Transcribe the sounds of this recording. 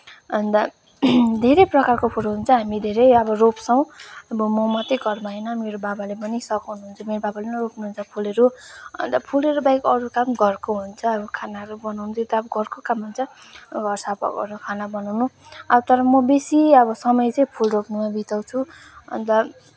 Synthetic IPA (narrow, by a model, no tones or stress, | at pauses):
ɦʌnd̪ʌ | d̪ʱeɾʌjprʌkarkopʰoɾoɦunt͡sʰʌɦamid̪ʱeɾʌjʌbʌropsʌw̃ʌbʌmʌmat̪ʌɡʱʌrmaenʌmeɾobabalebʌnisʌkawnuɦunt͡sʰʌmeɾobabalenʌropnuɦunt͡sʰʌpʰuleɾuʌ̰nt̪ʌpʰuleɾubajkʌɾukamɡʌrkoɦunt͡sʰʌːɾukʰanaɾubʌnawnut̪ʰot̪aʌbʌɡʱʌrkokamɦunt͡sʰʌ | ɡʱʌrsapʌ̰kʌ̰ɾukʰanabʌnawnuʌt̪ʌɾʌmʌbesiʌbʌsʌmʌjt͡sʌj̃pʰulropnumabit̪ʌwt͡sʰu | ʌ̰nt̪ʌ